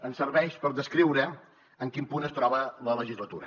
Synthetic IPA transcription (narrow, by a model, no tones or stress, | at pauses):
ənsərβɛʃpəɾðəskɾiwɾə | əŋkimpunəst̪ɾɔβələləʒizlət̪ṵɾə̰